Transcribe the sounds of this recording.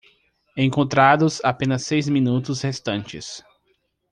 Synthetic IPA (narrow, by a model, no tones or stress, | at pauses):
ẽkõnt̪ɾad̪ʊsapẽnɐsːejzmĩnut̪ʊshest̪ɐ̃nt͡ʃɪ̰s